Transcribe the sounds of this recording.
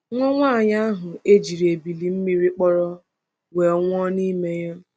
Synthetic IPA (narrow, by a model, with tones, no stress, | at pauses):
ŋʷɔ˦ŋʷa˦˨ɲa˦a˦ɦʊ˨e˦d͡ʒi˨ɾi˨e˨bi˨li˨m̩˦mi˦ɾi˦k͡pɔ˦ɾɔ˦ | we˨ŋʷɔ˦ni˦me˦ja˦